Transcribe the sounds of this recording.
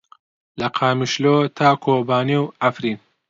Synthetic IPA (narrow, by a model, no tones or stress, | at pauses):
lɐqʰaːmiʃloːt̪ʰaːkʰoːbaːniwʔafɾin